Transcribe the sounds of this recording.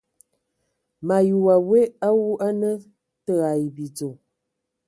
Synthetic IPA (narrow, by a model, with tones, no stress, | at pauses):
ma˨ju˨wa˨we˦ʔa˦wu˦ʔa˦nə˦ | tə˦˨a˨jbi˨d͡zo˨